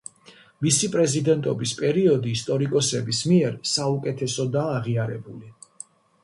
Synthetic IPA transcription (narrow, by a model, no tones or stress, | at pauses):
misipʼɾɛzid̪ɛnt̪ʼɔbispʼɛɾiɔd̪iːst̪ʼɔɾikʼɔsɛbismiɛɾsaukʼɛt̪ʰɛsɔd̪aːʁiaɾɛbuli